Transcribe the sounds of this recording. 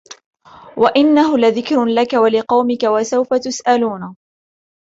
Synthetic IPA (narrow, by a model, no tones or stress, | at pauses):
wʔaʔɪnːaɦʊlaðɪkɾlakawalɪqɑwmɪkawasawfat̪ʊsʔaluːna